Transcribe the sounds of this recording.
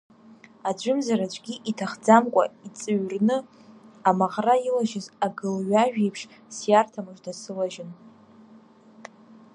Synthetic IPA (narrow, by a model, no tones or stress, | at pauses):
ad͡ʒʷʊmzaɾat͡ʃʷʰʼɡʲiʔitʰaχd͡zamkʷʼa̰it͡sʼɨɥrnɨ | amaʁrailaʒɪzaɡɨlɥaʒᶣejpʰʂ | sjartʰamɨʐdasɨlaʒɪn